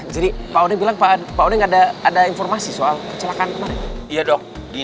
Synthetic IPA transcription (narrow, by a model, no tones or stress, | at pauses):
d͡ʒadipaodɛŋbilaŋpapaodɛŋadaːdainfɔrmasisoalkət͡ʃəlakanmanɛijadɔŋɡi